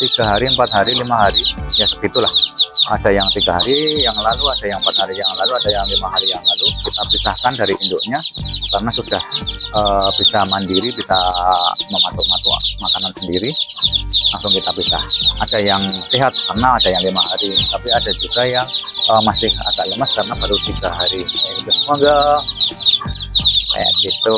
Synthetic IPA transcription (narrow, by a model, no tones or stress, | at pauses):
t̪iɡ̥aɦaɾiəmpat̪̚ɦaɾilimaɦaɾijasət̪it̪ulaha̰dajaŋt̪iɡaɦaɾijaŋlaluadajaŋəmpat̪̚haɾijaŋlaluadajaŋlimaɦaɾijaŋlalukit̪apisahkandaɾiʔundʊʔɲakarənasudahəb̥isamandiɾibisaməmat̪ʊmat̪ṵmakanansəndiɾi | laŋsʊŋkit̪apisa̰hadajaŋsiɦat̪̚karənaːdajaŋlimaɦaɾit̪apiadad͡ʒuɡajaŋəmasɪha̰daləməskarənabaɾut̪iɡaɦaɾiaidusəmoɡa | ka̰ja̰ʔɡ̥it̪u